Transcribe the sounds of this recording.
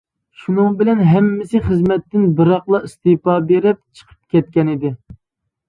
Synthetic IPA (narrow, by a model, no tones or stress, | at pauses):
ʃunɨŋbɪlɛnɦɛmːɪsɪχəzmɛt̪ːɪnbɨɾɑχlˠɑist̪ɨpɑbeɾɪp̚t͡ʃʰə̥qʰə̥p̚kʲʰɛt̪̚kʲɛnɪd̪ɪ